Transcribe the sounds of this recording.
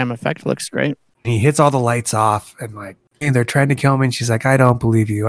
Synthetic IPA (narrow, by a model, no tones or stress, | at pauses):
æ̃mɨfɛ̰k̚tlʊ̰ksɡ̥ɹḛɪt̚ | niɦɪtsɔlˠðəlaɪtsɔfɨ̃nlaɪk̚ | nðə˞tʰɹ̥aɪɪ̃ŋtʰɨkʰɪlˠmĩnʃizlaɪkaɪɾõʊ̃nb̥əlivjʉ